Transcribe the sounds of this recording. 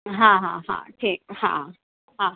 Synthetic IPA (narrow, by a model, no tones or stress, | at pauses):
ɦãɦa̰ha̰tʰek̚hã̰ | ha